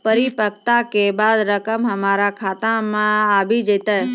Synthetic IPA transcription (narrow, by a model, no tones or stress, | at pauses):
pəɾipək̚t̪akebad̪ɾəkəmɦəmaɾakʰat̪amãabid͡ʒət̪a